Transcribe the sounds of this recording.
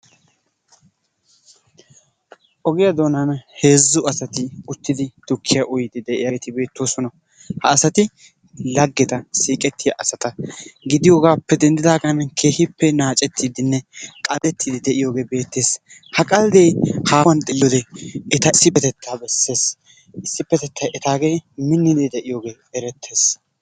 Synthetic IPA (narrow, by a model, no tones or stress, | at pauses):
ʔɔɡɪjɐd̪o̞ːnɐnhe̞ːzːʊɐsɐt̪ɪʊt̪ːɪd̪ɪd̪̥ʊkʰːɪjɐʔʊjɪd̪ɪd̪ɛʔɪjɐt̪ɪbe̞ːt̪ːoːsɔnɐ | hɐːsɐt̪ɪ | lɐɡːɛt̪ɐsiːkʼɛt̪ʰːɪjɐʔɐsɐt̪ɐɡɪd̪ɪjoːɡaːpːɛd̪ɛnd̪ɪd̪aːɡɐnkʰe̞ːhɪpːɛnaːt͡ʃʼɛt̪ʰːid̪ɪnːɛkʼɐd̪ɛt̪ʰːid̪ɪd̪ɛʔɪjo̞ːɡe̞ːbe̞ːt̪ːe̞ːshɐkʼɐld̪ejhaːwɐnt̪ʼɪjod̪ɛɛt̪ɐɪsːɪpːɛt̪ɛt̪ʰːaːbɛsːe̞ːs | ʔɪsːɪpːɛt̪ɛt̪ʰːɐʔɛt̪aːɡe̞ːmɪnːɪd̪d̪ɛʔɪjoːɡe̞ː | ɛɾɛt̪ʰːe̞ːs